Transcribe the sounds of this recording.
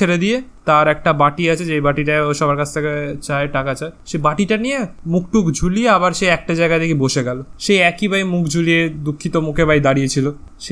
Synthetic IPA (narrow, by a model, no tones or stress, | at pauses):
eɾed̪ijet̪aɾɛk̚ʈabaʈiat͡ɕʰed͡ʑejbaʈiʈaʃɔbaɾkat͡ɕʰt̪ʰeket͡ɕaeʈakat͡ɕaeʃebaʈiʈanijemuk̚ʈukd͡ʑʱulieaβaɾʃeɛk̚ʈad͡ʑaeɡad̪ekiboʃeɡɛloʃejɛkibajmukʰd͡ʑʱulied̪ukʰːit̪omukʰebajd̪aɾijet͡ɕʰilo | ʃe